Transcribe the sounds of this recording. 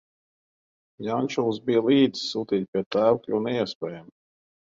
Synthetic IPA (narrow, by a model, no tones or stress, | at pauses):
janʲt͡ʃulˠsbijəlˠiːd̪zi̥suːt̪ʲiːt̪̚ʲpʲiɛt̪aːwkʲuːnɛiɛspʲɛːjam